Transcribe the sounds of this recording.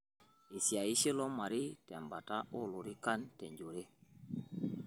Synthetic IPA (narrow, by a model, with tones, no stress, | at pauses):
i˨si˨a˨i˦si˦lo˦ma˨ɾi˦tɛ˨mba˨ta˦ʔo˦lu˨ɾi˦ka˦nte˨ɲd͡ʒo˨ɾe˦